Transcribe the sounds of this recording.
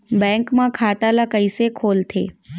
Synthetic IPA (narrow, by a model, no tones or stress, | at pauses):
bɛ̃ŋkmãkʰaːt̪alakəisekʰoːlt̪ʰeː